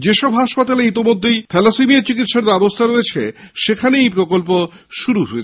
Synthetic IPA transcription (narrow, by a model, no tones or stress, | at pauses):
d͡ʑeʃɔbɦaʃpat̪aleit̪̬imod̪ʱːejt̪ʰɛlasimieɾt͡ɕikit̪ʃaɾbɛbost̪ʰaɾoet͡ɕʰeʃekʰaneejpɾokolp̬oʃuɾuɦoet͡ɕʰ